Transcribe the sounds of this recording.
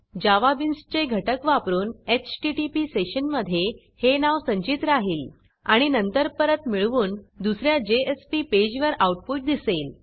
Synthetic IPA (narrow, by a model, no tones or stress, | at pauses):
d͡ʑaʋabinst͡ɕeɡʱəʈəkʋapɾuːnet͡ɕʈiʈipiseɕənməd̪ʱːje | henaʋsəɲt͡ɕit̪ɾaɦiːl | aɽ̃inənt̪əɾpəɾət̪miɭʋuːnd̪usɾjad͡ʑeespiped͡ʑʋəɾauʈ̚puʈ̚d̪isel